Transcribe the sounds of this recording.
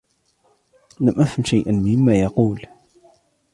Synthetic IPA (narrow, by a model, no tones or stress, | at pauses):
læmʔæfənʃajʔənmɪmːæjɑquːl